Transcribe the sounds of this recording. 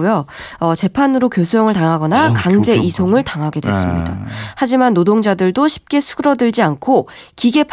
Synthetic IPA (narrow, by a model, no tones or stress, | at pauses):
ujʌʌt͡ɕe̞pʰanɯɾokjosʰujʌŋɯɭtaŋɦaɡʌnakaŋd͡ʑe̞ʔisʰoŋɯɭtaŋɦaɡe̞dwe̞̰s͈ɯmɲida̰had͡ʑimanːodoŋd͡ʑadɯɭdoɕʰi̥p̚k͈e̞sʰu̥ɯɾʌdɯɭd͡ʑiankʰokiɡe̞pʰ